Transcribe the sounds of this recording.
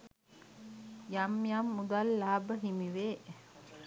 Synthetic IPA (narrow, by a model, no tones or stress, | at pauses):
jamjamːud̪alːaːbəɦimiʋeː